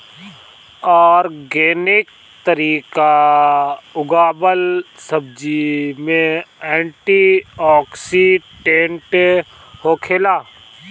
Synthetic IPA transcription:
ɔːɾɡeːnɪk̚ | t̪əɾiːka | ʊɡaːbəlsəb̚d͡ʒimẽɛ̃ːɳʈiɔːksiʈẽɳʈ | hoːkʰeːlaː

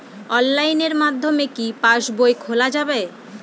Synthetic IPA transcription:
ɔnlajneɾmad̪ʱːomekipaʃboekʰolad͡ʑabe

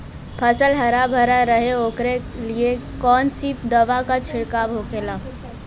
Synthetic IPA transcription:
pʰəsəlɦəɾabʱəɾaɾəɦeoːkɾeliekɔːnsiːpd̪əʋakat͡ʃʰɪɽkaːbʱokela

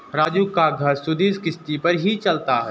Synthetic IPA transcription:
ɾaːd͡ʒuːkaɡʱɐɾsʊd̪iːskɪst̪ipɐɾɦit͡ʃɐlt̪aɦɛː

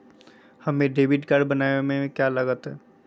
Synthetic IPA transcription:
hɐmẽɖeːʋɪʈkəɾɖbɐnaːemẽkjalɐɡət̪ɦɛː

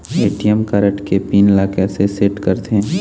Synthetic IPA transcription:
eːʈijəmkaɾəʈkepiːnɪlaːkeseseʈkɐɾt̪eɦ

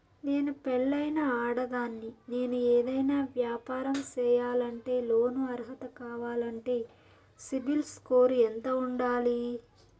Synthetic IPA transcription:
ne̞ːnupɛɭːɐjnɐaːɽɐɡaːnːine̞ːnueːd̪ɐjnaːʋjaːpaːɾɐmt͡ʃɛːjaːlɐɳʈe̞ːlo̞ːnuɐɾɦɐt̪ɐkaːʋaːlɐɳʈe̞ː | sibilskoːɾuɛnt̪ɐuɳɖaːli

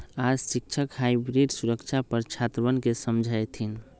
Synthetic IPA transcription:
asik̚t͡ʃʰəkhajbɾiɖsuɾəkt͡ʃʰapəɾt͡ʃʰat̪bənkesəmd͡ʒʱəjt̪ʰin

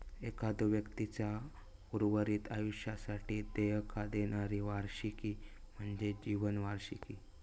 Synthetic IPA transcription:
ekad̪uʋjəkt̪it͡ɕja | uɾʋəɾiːt̪ajuɕjasaʈiːd̪ejəkʰad̪eɽ̃aɾiʋaɾɕikim̤əɳd͡zed͡ʑiʋənʋaɾɕikiː

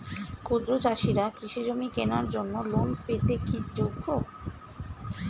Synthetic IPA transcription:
kud̪ɾod͡ʑaʃiɾakɾiʃid͡ʑomikenaɾd͡ʑonːolonpet̪ekid͡ʑoɡʱːo

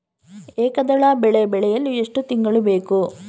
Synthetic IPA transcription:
eːkɐd̪ɐɭaːbɛɭebɛɭɛjɐlːueʂʈut̪iŋɡɐɭube̞ːku

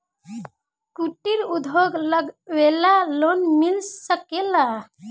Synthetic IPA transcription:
kuʈiɾud̪ʱoɡləɡwelalonmilsəkela

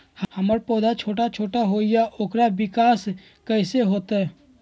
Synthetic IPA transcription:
hhəməɾpɔːd̪at͡ʃʰoːʈat͡ʃʰoːʈaɦoːɪjaʔoːkɾabɪkaːs | kəɪseɦoːt̪aɦɛ

